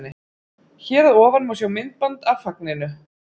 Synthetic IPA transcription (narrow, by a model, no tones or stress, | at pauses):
nɪ | çɛːɾðɔːvanmawsjɛwmɪnt̪̚pant̪afak̚nɪnʏ